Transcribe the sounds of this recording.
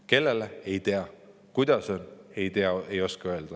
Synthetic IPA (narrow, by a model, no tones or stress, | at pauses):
ke̞lːe̞leejt̪e̞ɑ | kujd̪̥ɑso̞ne̞jt̪eɑejo̞skɑø̞eld̪̥ɑ